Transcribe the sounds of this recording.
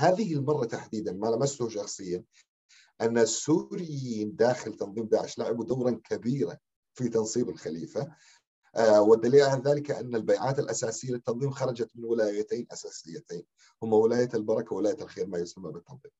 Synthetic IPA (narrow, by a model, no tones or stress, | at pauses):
haːðɪhɪlmɑrˤːɑt̪aħd̪iːd̪anmalamast̪ʊhʃɑxsˤɨjːan | ʔanːasːuːɾɪjiːnd̪aːxɪlt̪ɑnðˤiːmd̪aːʕɪʃlaʕɪbud̪awɾˤɑnkʰabiːɾa | fit̪ɑnsˤiːbɪlxaliːfa | wɪd̪ːaliːlʕalðaːlɪkaʔa̰nːalbajʕaːt̪ɪlʔasaːsɪjːalɪt̪ːɑnðˤiːmxɑɾˤɑd͡ʒat̪mɪnwɪlaːjat̪aːnʔasaːsɪjːat̪eːn | hʊmːawɪlaːjat̪albɑɾˤɑkawwɪlaːjaalxeːɾmajʊsamːabɪt̪ːɑnðˤiːm